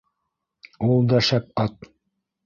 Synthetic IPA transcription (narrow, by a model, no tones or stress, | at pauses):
ulˠd̪ɑʃæp̚ɑt̪̚